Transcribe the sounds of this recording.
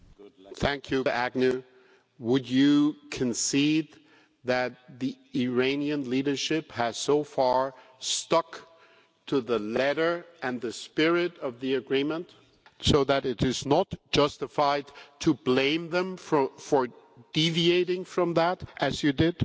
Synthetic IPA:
θæ̃ŋkʰjɨæɡ̚nɨ | wəd͡ʒɨkʰɨ̃nsid̪̚ | ðɨt̪̚ði | ɪɹẽɪ̃niɨ̃nliɾə˞ʃɪphɨz̥soʊfɑɹstʌk | tʰɨðəlɛɾə˞ɨ̃nðɨspɪɹɪɾʌvðiɨɡɹĩmə̃nt | soʊðɨɾɪɾɪznətd̥ʒ̥ʌstɨfaɪd̚tʰɨblẽɪ̃mðə̃mfʌfə˞ | d̥ivieɪɾɪ̃ŋfɹʌ̃mðæɾʔɨzjɨdɪd̥

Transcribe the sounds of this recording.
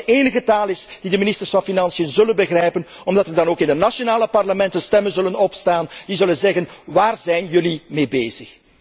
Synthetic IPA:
ʔeːnəɣətaːlˠɪsd̥idəminɪstərsfɑnfinɑnsijənzɵlənbəɣrɛjpən | ɔmdɑtərdɑnoːkɪndənasonaːləpɑrləmɛntənstɛmənzɵlənɔpstaːnd̥izɵlənzɛɣənʋaːrzɛjnjɵlimeːbeːzəx

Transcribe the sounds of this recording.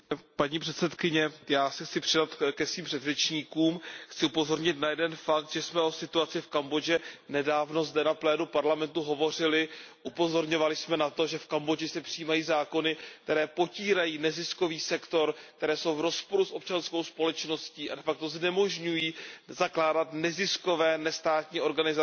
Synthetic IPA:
paɲiːpr̥ɛt̪sɛt̪kɪɲɛjaːsɛxt͡sɪpr̥ɪdat̪kɛsviːmpr̥ɛd̪rɛt͡ʃɲiːkuːmxt͡sɪupo̞zo̞ɾɲɪt̪najɛdɛnfak̚t̪ʒ̥ɛsmɛʔo̞sɪt̪uat͡sɪfkambo̞d͡ʒɛnɛdaːvno̞zdɛnaplɛːnupaɾlamɛnt̪uɦo̞vo̞r̝ɪlɪʔupo̞zo̞ɾɲo̞valɪsmɛnat̪o̞ʒɛfkambod͡ʒɪsɛpr̥ijiːmajiːzaːko̞nɪkt̪ɛɾɛːpo̞ciːɾajiːnɛzɪsko̞viːsɛkt̪o̞ɾk̚t̪ɛɾɛːso̞wvɾo̞spo̞ɾusʔo̞p̚t͡ʃansko̞wspo̞lɛt͡ʃno̞sciːʔa̰dɛfak̚t̪o̞znɛmo̞ʒɲujiːzaklaːdat̪nɛzɪsko̞vɛːnɛst̪aːt̪ɲiːo̞ɾɡanɪza

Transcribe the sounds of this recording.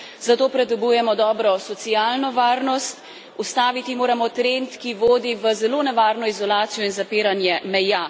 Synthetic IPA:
z̥at̪oːpɾɛd̪ɔbujɛmɔd̪ɔːbɾɔsɔt̪sijaːlnɔʋaːɾnɔst̪ | ust̪aːʋit̪imoːɾamɔt̪ɾent̪kiʋoːd̪iʋəzɛloːnɛʋaːɾnɔizɔlaːt̪sijɔinzapeːɾanjɛmɛja

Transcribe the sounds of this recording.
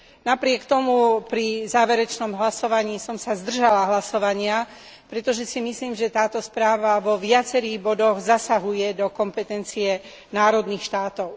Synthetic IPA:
napɾɪɛkt̪ɔmupɾizaːʋɛɾɛt͡ʃnɔmɦlasɔʋaɲiːsɔmsazd̪r̩ʒalaɦlasɔʋaɲɪa | pɾɛt̪ɔʒɛsimisliːmʒɛt̪aːt̪ɔspɾaːʋaʋɔʋɪat͡sɛɾiːɣbɔd̪ɔɣzasaɦujɛd̪ɔkɔmpɛt̪ɛnt͡siɛ | naːɾɔd̪niːxʃt̪aːt̪ɔʊ

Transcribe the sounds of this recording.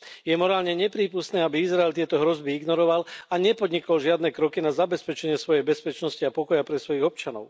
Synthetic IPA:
jɛmɔɾaːlɲɛɲɛpɾiːpust̪nɛːabiizɾaɛlt̪ɪɛt̪ɔɦɾɔzbiiɡnɔɾɔʋalaɲɛpɔd̪ɲikɔlʒɪad̪nɛkɾɔkinazabɛspɛt͡ʃɛɲɪɛsʋɔjɛjbɛspɛt͡ʃnɔsciapɔkɔjapɾɛsʋɔjiɣɔp̚t͡ʃanɔ̰ʊ

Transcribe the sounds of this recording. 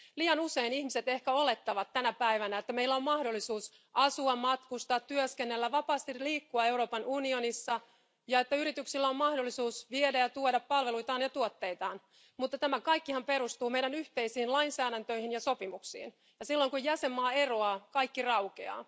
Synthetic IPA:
liːɑnuseinihmiset̪e̞hkæo̞le̞t̪ːɑʋɑt̪t̪ːænæpæiʋænæet̪ːæmeilːæo̞mmɑhdolːisuːs | ʔɑsuɑmmɑt̪kust̪ɑːt̪t̪yøskenːelːæʋɑpɑːst̪iliːkːuɑewro̞ːpɑnunionisːɑ | jɑet̪ːæyɾit̪yksilːæommɑhdolːisuːsʋiedæjɑt̪uoɾɑppɑlʋeluit̪ɑːnjɑt̪uot̪ːe̞it̪ɑːn | mut̪ːɑt̪æmækɑikːihɑmpeɾust̪uːmeidænyht̪eisiːnlɑinsæːɾænt̪øihinjɑsopimuksḭːn | jɑsilːoŋkujjæsemːɑːeroɑkɑikːirɑwkḛɑ̰ː

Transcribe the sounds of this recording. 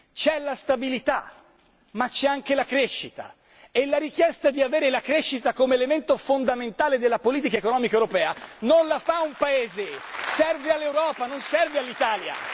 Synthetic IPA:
t͡ʃɛlast̪abilit̪a̰ | mat͡ʃːɛaŋk̟elakɾeʃːit̪a̰ | elːaɾik̟jɛst̪ad̪iaveːɾelakɾeʃːit̪akomeːlement̪ofond̪ament̪aːled̪elːapoliːt̪ikaekonɔːmikaewɾopɛːanonlafaumpaeːzesɛrvealːewɾɔːpanonsɛrvealːit̪aːlja̰

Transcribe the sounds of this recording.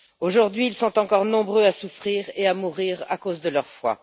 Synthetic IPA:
oʒuʁd̪ɥiːlsɔ̃t̪ɑ̃kɔʁnɔ̃bʁøasufχiʁeamuʁiʁa̰kozd̪əlœʁfwa̰

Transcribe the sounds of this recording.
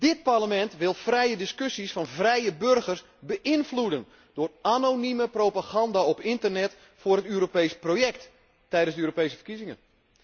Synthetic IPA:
d̥ɪt̚parləmɛntʋɪlˠfrɛjədɪskøsisfɑnvrɛjəbørɣərs | bəʔɪnfludən | dʊːranoniməprowpaɣɑndaːɔpɪntərnɛt | fʊːrɦətyːɾopejsprojɛktː | ɛjdənzdəyːɾopejsəfərkizɪŋə̰n

